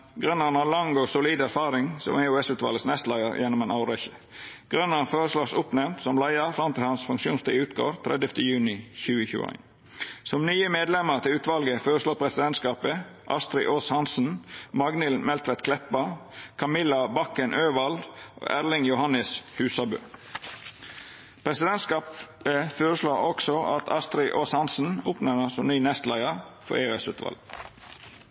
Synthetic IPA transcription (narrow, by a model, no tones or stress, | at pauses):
ɡɾʉnːəɾnɑlɑŋosʊliːd̪æɾfɑːɾɪŋsɔ̰meʉɛsʉːt̪ʋɑ̰lɡəsnɛst̪læɪəɾjɛnːɔmeːnɑʊɾɛçə̥ | ɡ̥ɾʉnːəfoːɾəsloːsʊpnɛʋnt̪sɔmlæɪəɾfɾɑmt̪ɪlhɑnsfʉŋkʃuːnst̪ɪʉːt̪̚ɡo̰ːɾt̪ʰɾʔɛ̰d̪jəft̪ʰəjʉːnɪçʉːəçʉ̰ːæ̰ɪn | sɔmnyːəmeːd̪lɛməɾt̪ʰɪlʉːt̪ʋɑlɡəfoːɾəsloːɾpʰɾɛsɪd̪ɛnt̪skɑːpəʔɑ̰st̪ɾɪʔoshɑnsn̩mɑɡnɪlmɛlt̪ʋɛt̪kʰlɛt̪̚bɑkʰɑmɪlɑbɑkənʔøːʋɑld̪ʔo̰ːʔæʁlɪŋjʊhɑnəshʉːsɑbø̰ː | pʰɾɛsɪd̪ɛnt̪skɑːpəfoːɾəsloːɔksɔɑt̪ʰɑst̪ɾɪʔoːshɑnsn̩oːpnənəsɔnyːnɛst̪læɪəfɔ̰ɾeøɛsʉ̰ːt̪ʋɑ̰lɡ